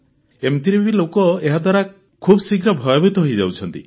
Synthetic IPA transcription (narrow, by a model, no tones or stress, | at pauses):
emt̪iɾbibilokɔeɦad̪waɾa | kʰubɔsiɡɾɔbʱɔjɔbit̪ɔɦojd͡ʒawt͡ʃʰɔnt̪ḭ